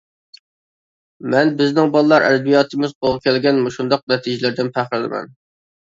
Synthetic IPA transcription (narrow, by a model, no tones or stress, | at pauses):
mɛnbɪznɪŋbɑlˠɨlˠɑɾʔɛ̰d̪ɛbijɑːt̪ʰɨmɪzqʰolˠʁɑkʲʰɛlɡʲɛnmuʃund̪ɑq̚nɛt̪ʰid͡ʒɪlɪɾd̪ɪnpʰæχɾɪlɪmɛ̰n